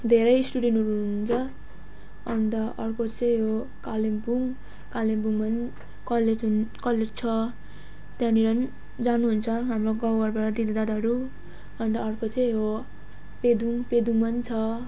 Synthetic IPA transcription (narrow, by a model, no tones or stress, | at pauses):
d̪ʱeɾʌjsʈuɽenʈɦʌɾuuunt͡sʰʌ | ʌnd̪ʌʔʌrkot͡sʌj̃ɦo | kalembuŋ | kalembuŋmʌn | kʌled͡zunkʌled͡zt͡sʰʌ | t̪jãniɾʌn | d͡zanuɦunt͡sʰʌɦamroɡʌwʌrbaɾad̪id̪id̪ad̪ɦʌɾu | ʌnd̪ʌːrkot͡sʌ̃j̃ɦo | ped̪uŋped̪uŋmʌnt͡sʰʌ